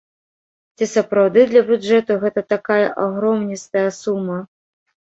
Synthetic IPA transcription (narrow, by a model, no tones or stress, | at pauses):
t͡sʲisɐpɾawd̪ɨd̪lʲɐbʲud͡ʐɛt̪uɣɛt̪ɐt̪akajɐʔaɣɾɔmnʲist̪ɐjɐsumːɐ